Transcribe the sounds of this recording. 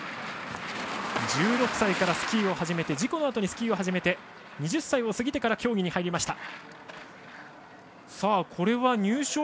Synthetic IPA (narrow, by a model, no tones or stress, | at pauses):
d͡ʑɨːɾo̞kɯ̟̥saikaɾasɨ̥kʲiːo̞haʑime̞t̪e̞d͡ʑiko̞no̞at̪o̞ɲ̟isɨ̥kʲiːo̞ɦaʑime̞t̪e̞ | ɲ̟iʑɨsːaio̞sɨɡʲit̪e̞kaɾakʲo̞ːɡʲiɲ̟ihaiɾʲimaɕi̥t̪a | saːkʰo̞ɾe̞βaɲ̟ɨːɕoː